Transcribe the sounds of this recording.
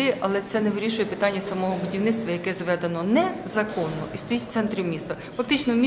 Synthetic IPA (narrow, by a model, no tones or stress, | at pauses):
ɪʔɐlˠɛt̪sɛnɛʋɪɾʲiʃʊjɛpɪt̪ɑnʲːɐsɐmɔɦɔbʊdʲiwnɪt̪st̪ʋɐjɐkɛzʋɛd̪enɔnɛzɐkɔnːɔ̰ist̪ɔjitʲwt̪sɛnt̪ɾʲimʲist̪ɐfɐk̚t̪ɪt͡ʃnɔmʲi